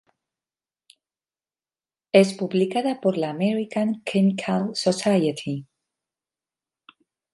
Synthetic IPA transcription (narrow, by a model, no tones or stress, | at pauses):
espuβlikaðapoɾlaːmeɾikaŋkʰemikʰalsosajat̪ʰi